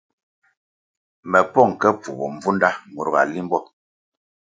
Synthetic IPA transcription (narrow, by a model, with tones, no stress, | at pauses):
mɛ˨pɔ˦˨ŋ˨kɛ˦p͡fu˨bɔ˨ɱ˨vu˦nda˦mu˨ɾɣa̰˨li˦mbɔ˦˨